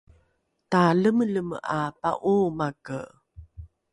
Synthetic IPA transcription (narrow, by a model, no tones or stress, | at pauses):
taləmələməʔapa̰ʔumakə